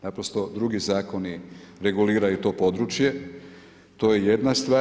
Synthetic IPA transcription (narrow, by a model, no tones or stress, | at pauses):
napɾost̪o̞d̪ɾuɡizaːko̞niɾe̞ɡuliːɾajut̪o̞ːpo̞d̪ɾut͡ʃje̞ | t̪o̞ːjeje̞d̪nast̪ʋaː